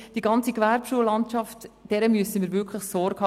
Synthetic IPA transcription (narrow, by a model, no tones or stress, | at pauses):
d̥iɡɑnt͡sikʋæɾpʃuːəlɑntʃɑftd̥ɛɾəmyəsəmiːɾvʏɾkʰləχsɔɾɡhɑ